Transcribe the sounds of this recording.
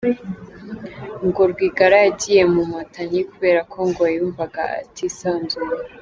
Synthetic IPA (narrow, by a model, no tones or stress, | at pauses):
ŋɡo̞ɾɡwiːɡaɾajaɟije̞mumatʰaɲikuβe̞ːɾakʰo̞ŋɡojajuːɱvaɡaa̰tʰisaːnzuɾa